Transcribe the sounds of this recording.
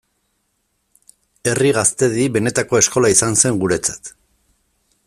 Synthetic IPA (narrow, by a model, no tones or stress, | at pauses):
e̞riɣast̪e̞ðiβe̞ne̞t̪ako̞e̞sko̞laisanse̞ŋɡuɾe̞t͡sḁt̪